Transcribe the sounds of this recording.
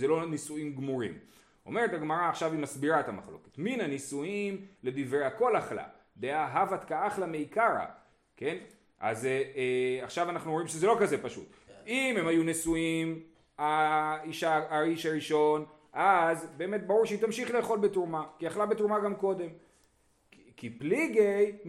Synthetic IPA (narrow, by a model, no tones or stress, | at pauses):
zelo̞nisuimɡmuʁḭm | o̞̰me̞ʁethaɡmaʁaːχʃavimasbiʁaetama̰χlo̞̰ke̥tminanisuimle̞d̪ivʁeako̞laχla̰ | d̪ejaɦavat̪kaaχlame̞ikaʁa̰ | ke̞n | ʔa̰z | aχʃavanaχnuomimʃezelo̞kaze̞paʃṵt̪ | ime̞mhajunesuim | aiʃaaiʃaʁiʃo̞n | ʔazbe̞ːme̞t̚baʁuʁʃeitamʃiχle̞ːχo̞lbetuʁmakiaχlabetuʁmaɡamko̞de̞m | kipliɡej